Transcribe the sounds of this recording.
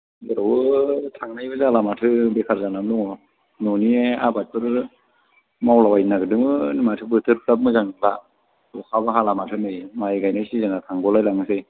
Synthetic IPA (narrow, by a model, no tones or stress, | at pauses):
ɡɯɾawɯtʰaŋnajbɯzalamatʰɯbekʰaɾzanamluŋɔ | nɔnieabatʰɯɾ | mawlawajnaɡɯdɯŋmɯnmatʰɯbɯtʰɯɾkɾap̚mɯzaŋba | ɔkʰabaɦalamatʰɯnɯjmajɡajnajsizaŋatʰaŋɡɔlajlaŋɯsej